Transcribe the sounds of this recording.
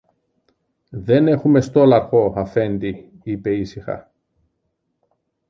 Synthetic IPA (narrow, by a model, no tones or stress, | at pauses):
ðe̞ne̞xume̞st̪o̞lɐɾxo̞ɐfe̞nd̪i | ipe̞isixɐ̰